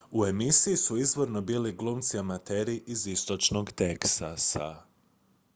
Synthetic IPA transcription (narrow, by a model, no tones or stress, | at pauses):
ue̞misijisuizʋo̞ɾno̞biliɡlˠuːmt̪siamat̪eɾiʔizist̪o̞t͡ʃno̞ɡt̪eksasa̰